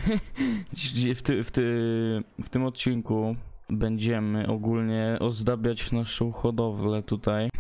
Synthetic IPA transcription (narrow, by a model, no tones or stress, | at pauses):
d͡ʑid͡ʑift̪ɪft̪ɪ | ft̪ɘmɔt̪̚t͡ɕiŋku | bɛɲd͡ʑɛmɘʔɔɡulɲɛʔɔzd̪abʲjad͡ʑvnaʂɔxɔd̪ɔvlɛt̪ut̪aj